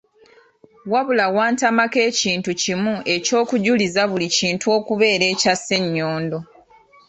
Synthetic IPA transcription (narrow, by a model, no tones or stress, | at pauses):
waβulawaːntamake̞ːciːntucimue̞co̞ːkuɟulizaβuliciːntuo̞ːkuβe̞ːɾe̞ːcasːe̞ɲːo̞ːndo̞